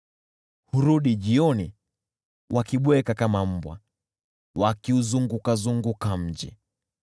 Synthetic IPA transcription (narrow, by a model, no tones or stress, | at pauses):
huɾuɗiʄiɔni | wʔakiɓwɛkakamam̩bwa̰ | wakiuzuŋɡukazuŋɡukam̩ʄḭ